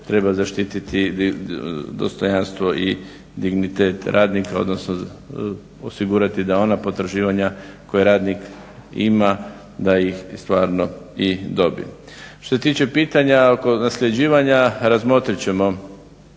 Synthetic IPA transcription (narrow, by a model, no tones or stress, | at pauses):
t̪ɾe̞bazaʃt̪it̪it̪i | d̪o̞̰st̪o̞janst̪ʋo̞ʔi | d̪iɡnit̪eːt̪ɾʔaːd̪nikao̞̰d̪nosno | osiɡuːɾat̪id̪ao̞napo̞t̪ɾaʒiːʋaɲako̞jeɾaːd̪nik | ḭma | d̪ajixst̪ʋaːɾnoid̪o̞bḭ | ʃt̪os̬e̞t̪iːt͡ʃe̞piːt̪aɲaoko̞nasʎʲe̞d͡ʑiːʋaɲaɾazmo̞t̪ɾit͡ɕe̞mo̞